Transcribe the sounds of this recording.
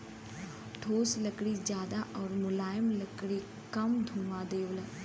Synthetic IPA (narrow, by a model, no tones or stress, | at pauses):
ʈʰoːsləkɽiːd͡ʒjaːd̪aʔɔːɾmʊlaːjəmləkɽi | kɐmd̪ʱũːmãːd̪eːʋlə